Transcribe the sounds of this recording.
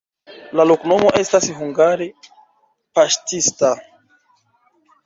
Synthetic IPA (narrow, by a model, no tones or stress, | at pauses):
lalokno̞mo̞ʔe̞stasɦuŋɡaɾe | paʃtista